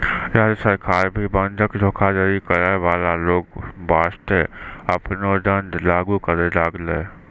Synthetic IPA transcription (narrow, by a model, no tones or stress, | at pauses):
jədsəɾkʰaːɾbʱibənd̪ʱəkd̪ʱoːkʰad͡ʒəɾikəɾeʋaːlaloːɡbaːst̪eəpnod̪ə̃nd̪laːɡukəɾelaːɡleː